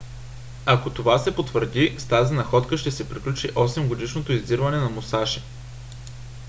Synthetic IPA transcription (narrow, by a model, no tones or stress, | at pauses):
akot̪ovasɛpot̪vəɾd̪ist̪azinɐxɔt̪kəʃt̪ɛsɛpɾiklʲut͡ʃiʔɔsɛmɡod̪iʃnot̪oizd̪iɾvɐnɛnɐmosaʃi̥